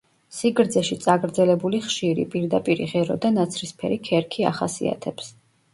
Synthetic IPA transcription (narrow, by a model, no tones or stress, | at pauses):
siɡɾd̪zɛʃit̪sʼaɡɾd̪zɛlɛbuliχʃiɾḭpʼiɾd̪apʼiɾḭʁɛɾɔd̪anat̪sʰɾispʰɛ̰ɾikʰɛɾkʰia̰χasḭa̰t̪ʰɛps